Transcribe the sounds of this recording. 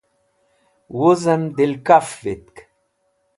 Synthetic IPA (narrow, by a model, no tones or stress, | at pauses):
wuzɐnd̪ilkafvit̪̚k